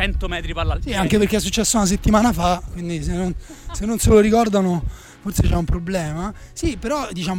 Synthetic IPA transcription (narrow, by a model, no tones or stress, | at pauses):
t͡ʃɛnt̪omɛt̪ɾipasiaŋkepeɾrk̟eɛsːut͡ʃːɛsːounas̬et̪ːimaːnafakwind̪is̬enːonsenːonseloɾikɔrd̪ano | forset͡ʃɛumpɾoblɛːmasipeɾɔd̪it͡ʃaːm